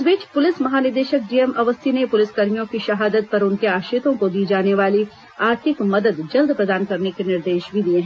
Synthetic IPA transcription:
sʋɪːt͡ʃpʊlɪsmɐɦaːnɪɾd̪eːʃək̚ɖiːemɐʋəst̪ʰinepʊlɪskɐɾijõkiʃɐɦaːd̪ət̪̚pɐɾʊnkeaːʃɪt̪õkod̪iːd͡ʒaːneʋaːli | aːɾt̪ʰɪkmɐd̪əd̪d͡ʒɐld̪pɾɐd̪aːnkɐɾnekenɪɾd̪eːʃbʱid̪ieɦɛ̃ː

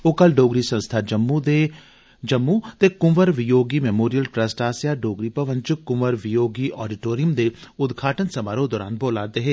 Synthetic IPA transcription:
oːkɐlɖoːɡɾisɐ̃nst̪ʰad͡ʒəmːud̪e | d͡ʒɐmːut̪ekʊməɾʋɪjoːɡimɛmoːɾijəlʈɾəsʈaːsijaːɖoːɡɾipəʋə̃nt͡ʃʊkʊməɾʋɪjoːɡiʔɔːɖiʈoːɾijəmd̪eʊd̪ɡʰʱaːʈənsɐmaːɾõd̪ɔːɾa̰ːnboːlaːd̪eɦeː

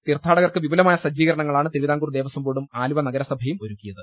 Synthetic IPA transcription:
t̪irt̪ʰːaːɽɐɣɐrkɨʋibɐlɐmaːjɐsɐd͡ʑːiːɣɐɾɐɳɐŋːɐɭaːɳɨt̪iɾʋiðaːŋɡuːrd̪e̞ːʋɐsɐmboːɽumaːlubɐnɐɡɐɾɐsɐbʱɐjumo̞ɾukːijɐðɨ

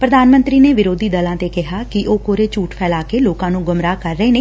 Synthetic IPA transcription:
pɾəd̪aːnmə̃nt̪ɾiːneːʋɪɾoːd̪iːd̪əlãːt̪eːkɪɦaːkɪʔoːkoːɾeːt͡ʃuːʈpʰɛːlaːkeːloːkãːnũːɡʊmɾaːkəɾːəeːneː

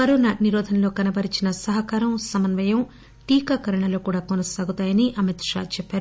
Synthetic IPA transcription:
ɐɾonaniɾɔːd̪ʱɐnlo̞ːkɐnɐbɐɾit͡ʃinɐsɐɦɐkaːɾɐmsɐmɐnʋɐjɐm | ʈiːkɐkɐɾɐɳɐlo̞ːkuːɽaːkonɐsaːɡut̪aːjɐniʔɐmit̪ʂa̰ːt͡ʃɛpːaːɾu

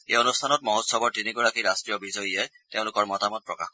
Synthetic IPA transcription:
ejonustʰanɔt̚mɔɦɔtsɔbɔɹtiniɡɔɹakiɹastɹijɔbizɔjijaj | teʊ̃lʊkɔɹmɔtamɔt̚pɹɔka̰x

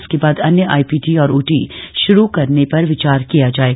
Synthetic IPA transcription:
skebaːd̪ɐnjəʔa̰ːipiːʈiɔːɾuːʈiʃʊɾukɐɾnepɐɾʋɪt͡ʃaːɾkijad͡ʒaːeː

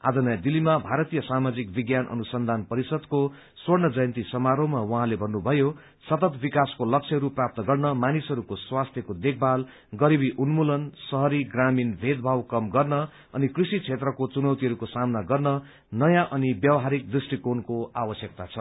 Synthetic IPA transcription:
a̰d͡zʌnʌjãd̪ilːimabʱaɾʌt̪ijʌsamad͡zik̚biɡjanʔʌ̰nusʌnd̪ʱanpʌɾisʌd̪ko | swʌrnʌd͡zʌjʌnt̪isʌmaɾomawʌɦãlebʱʌnːubʱʌjo | sʌt̪ʌt̪bikaskolʌk̚t͡ʃʰʌɦʌɾuprap̚t̪ʌɡʌrnʌmanisʌɾukoswast̪ʰjʌkod̪ek̚ʰbal | ɡʌɾibiʔunmulʌnsʌɦʌɾiɡraminbʱed̪̚bʱawkʌmɡʌrnʌ | ʌnikrisit͡sʰet̪rʌkot͡sunʌwt̪iɦʌɾukosamnaɡʌrnʌ | nʌjãʔʌnibjʌwɦaɾik̚d̪risʈikonkoawʌsjʌk̚t̪at͡sʰʌ

